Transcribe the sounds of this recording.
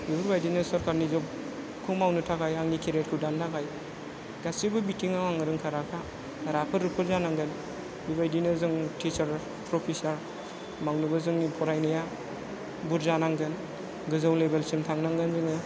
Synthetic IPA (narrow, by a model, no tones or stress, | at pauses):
bibuɾbajdinɯsɐɾkaɾnizɔw | kʰɯmawnɯtʰaɡajaŋikʰeɾet̚kʰɯdantʰaɡaj | ɡasibɯbitiŋawaŋɯɾɯŋkʰaɾakʰa | ɾapʰɯɾɯpʰɯɾzanaŋɡɯn | bibajdinɯzɯŋtʰit͡ʃaɾ | pɾɔpʰisaɾ | mawnɯbɯzɯŋnipʰɔɾajnɯja | buɾzanaŋɡɯn | ɡɯzawlebelsimtʰaŋnaŋɡɯnzɯŋɯ